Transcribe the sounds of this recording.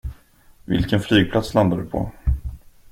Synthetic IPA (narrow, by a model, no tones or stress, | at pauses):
vɪ̰lkənflyːɡ̚pʰlat̪sland̪ad̪ɵpʰɔ̰